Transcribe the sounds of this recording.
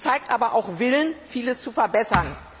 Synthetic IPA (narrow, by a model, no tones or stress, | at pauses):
t͡saɪk̚tʔaːbɐʔa̰ʊxvɪlənfiːləst͡sufɛɐbɛsɐn